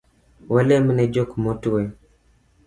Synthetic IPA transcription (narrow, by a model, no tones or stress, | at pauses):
walɛmnɛd͡ʒokmɔtuwe